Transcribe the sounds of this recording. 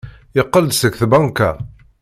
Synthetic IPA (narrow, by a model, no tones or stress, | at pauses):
jəqːəld̪səkθbɑŋkæ̰